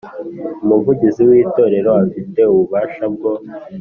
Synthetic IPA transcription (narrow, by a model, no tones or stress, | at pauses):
umuvuɟiziwiːto̞ɾe̞ɾo̞afite̞uβuβaːʃabɡo̞